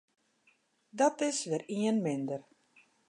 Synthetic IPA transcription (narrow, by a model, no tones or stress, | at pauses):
dɔtɪsʋɪriənmɪndər